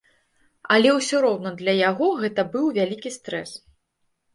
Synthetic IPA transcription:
ɐlʲɛwsʲɔɾɔwnɐd̪lʲɐjaɣɔɣɛt̪ɐbɨwvʲalʲikʲist̪ɾɛs

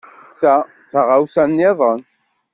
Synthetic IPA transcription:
θæ | t͡sːəʁawsænːeðˤən

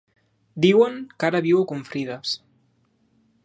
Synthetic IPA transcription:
d̪iwəŋkaɾaβiwokuɱfɾiðas

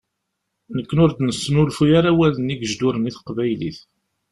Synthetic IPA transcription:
nəkːənʊɾd̪nəsːənʊlfujaɾawæləniɡəʒd̪ʊɾəniθə̥qvæjlḭθ

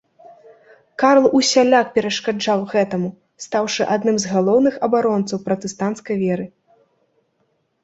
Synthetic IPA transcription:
kaɾlˠusʲalʲakpʲɛɾɐʂkad͡ʐawɣɛt̪ɐmu | st̪awʂɨʔad̪nɨmzɣalˠɔwnɨxɐbaɾɔnt̪sɐwpɾɐt̪ɛst̪ant̪skɐjvʲɛɾɨ

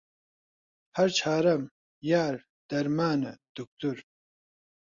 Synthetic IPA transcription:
hɐɾt͡ʃʰaːɾɐm | jaːɾ | d̪̥ɐɾmaːnɐd̪̥uk̚t̪uɾ

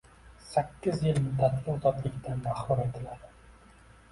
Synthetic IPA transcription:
sækʲːɪzjɪlmɪd̪at̪lɪʊzɒt̪lˠɪkʲt̪ʰanmaχbʊɾet̪ʰɪlad̪ɪ

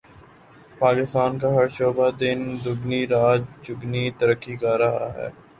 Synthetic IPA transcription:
paːkɪst̪aːnkaɦɐɾʃoːbad̪ɪnd̪ʊɡniɾaːd͡ʒd͡ʒʊɡnit̪əɾəkːikaɾɐɦa̰ɦɛ̰ː

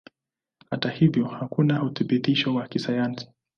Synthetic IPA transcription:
hatahivjɔhakunauθiɓit̪iʃɔwakisajansi̥

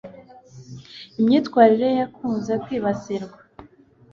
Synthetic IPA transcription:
imɲiːtkwaːɾiɾe̞jakʰuːnze̞kwiːβasiɾɡwa

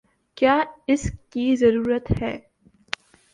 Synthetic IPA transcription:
kjaːɪskizɐɾuːɾət̪hɛː

